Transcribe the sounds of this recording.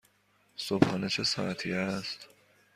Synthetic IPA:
sobhɒːnet͡ʃʰe̞sɒ̰ːæt̪ʰiːæst̪

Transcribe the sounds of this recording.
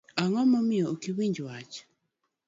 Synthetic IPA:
aŋɔmɔmiɔokiβiɲd͡ʒwat͡ʃḁ

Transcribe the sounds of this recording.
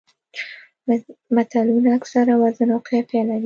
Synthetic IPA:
mat̪alunaaksaɾawazənoqfelawi

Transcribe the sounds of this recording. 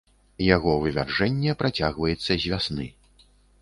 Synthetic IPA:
jaɣɔvɨvʲa̰rʐɛnʲːɛpɾat͡sʲaɣvɐjɛt̪sːɐzʲvʲasnɨ

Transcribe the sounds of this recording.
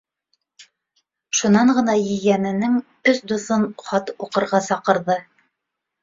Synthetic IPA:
ʃunɑɴʁɤ̆nɑjɘ̆ɡænɘ̆nɘŋ | ɵsd̪ŏθɤnχɑt̪uqɤ̆ɾʁɑsɑqɤ̆ɾðɤ

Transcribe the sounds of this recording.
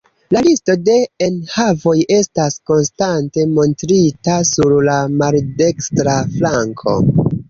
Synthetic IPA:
lalisto̞de̞ːnhavo̞je̞stasko̞nstante̞mo̞ntɾitasuɾlamalde̞kstɾaflaŋkʰo̞̰

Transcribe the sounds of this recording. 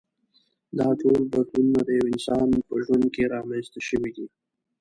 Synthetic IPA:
d̪ɑʈolbaʈlununad̪əjawɪnsɑnpəʒwand̪̚keɾɑmanst̪aʃəwid̪i

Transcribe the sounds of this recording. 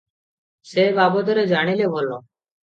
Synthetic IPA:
seːʋaːboːd̪əɾeːd͡ʒaːɳeːleːʋoːlõː

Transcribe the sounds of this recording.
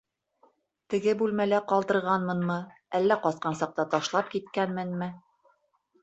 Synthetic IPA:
t̪ɘ̆ɡɘbʉlmælæqɑlˠd̪ɤ̆ɾʁɑnmɤnmɤ | ælːæqɒsqɑnsɑq̚t̪ɑt̪ɒʃlˠɑp̚kit̪̚kænmɘ̆nmɘ

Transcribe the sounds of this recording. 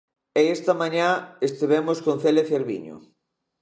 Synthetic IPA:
eest̪ɐmaɲãest̪eβemoskon̟θeleθjalβḭɲʊ̰

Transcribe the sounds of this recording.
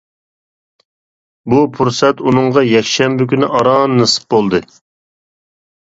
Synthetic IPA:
bupʰuɾsɛt̪unɨɴʁɑjɛkʲʃɛmbɪkʲynɪʔɑɾɑnːɨsɨ̥p̚bolˠd̪ɨ

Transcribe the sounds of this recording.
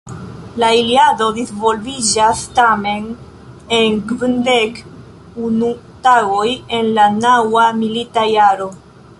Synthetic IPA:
lailiado̞disvo̞lvid͡ʒastame̞n | enkvindek | unu | taɡo̞je̞nlanawamilitajaɾo̞

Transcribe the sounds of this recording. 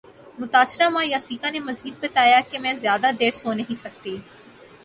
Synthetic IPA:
mʊt̪aːsɪɾamãːjaːsiːkanemɐziːd̪̚bɐt̪aːjakemɛ̃ːzjaːd̪ad̪eːɾsoːnɐɦĩsɐk̚t̪eː

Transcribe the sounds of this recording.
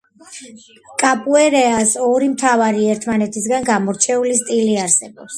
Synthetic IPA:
kʼapʼuɛɾɛasɔɾimt̪ʰavaɾiɛɾt̪ʰmanɛt̪ʰisɡanɡamɔɾt͡ʃʰɛulist̪ʼiliaɾsɛbɔps

